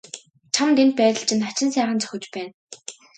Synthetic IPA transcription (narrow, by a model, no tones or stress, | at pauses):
t͡ɕʰamt̪ent̪̚pæːt̪ə̆ɬt͡ɕʰɪ̆nt̪at͡ɕɪ̆nsæːχə̆nt͡sœ̥xʲɵ̆t͡ɕpæːn